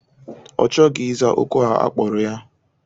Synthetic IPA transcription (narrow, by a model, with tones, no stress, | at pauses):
ɔ̰˨t͡ʃɔ˦ɡɪ˨i˦za˦ʔo̰˦ko˦ɦa˦a̰˦k͡pɔ˨ɾʊ˨ja˦